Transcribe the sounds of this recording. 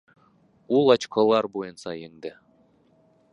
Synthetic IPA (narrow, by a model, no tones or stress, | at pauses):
ulˠɑt͡ʃkɤlˠɑɾbojɤnsɑjeŋd̪ɘ